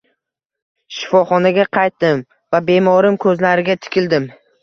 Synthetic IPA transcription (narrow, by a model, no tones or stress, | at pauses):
ʃɪ̥fɒχɒnaɡʲaqʰɑjt̪̚d̪ɪm | vabe̞mɒɾɪmkʰɵzlaɾɪɡʲat̪ʰɪ̥kʲɪld̪ɪm